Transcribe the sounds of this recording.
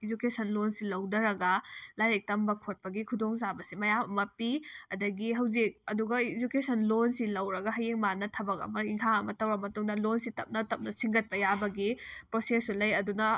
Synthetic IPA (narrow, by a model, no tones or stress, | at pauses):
id͡ʒukesɐnlonsilɐwdɐɾɐɡɐlajɾek̚tɐmbɐkʰot̚pɐɡikʰudoŋzabɐsimɐjammɐpiɐdɐɡiɦɐwzik̚ɐduɡɐid͡ʒukesʰɐnlonsilɐwɾɐɡɐɦɐjeŋmanɐtʰɐbɐkɐ̰mɐiŋkʰaɐmɐtɐwɾɐmɐtuŋdɐlonsitɐp̚nɐtɐp̚nɐsiŋɡɐt̚pɐjabɐɡipɾosesulɐjɐdunɐ